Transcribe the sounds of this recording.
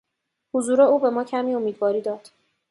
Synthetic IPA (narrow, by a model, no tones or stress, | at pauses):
huzuːɾe̞uːbe̞mɒːcʰæmiːo̞miːd̪vɒːɾiːd̪ɒːd̪̥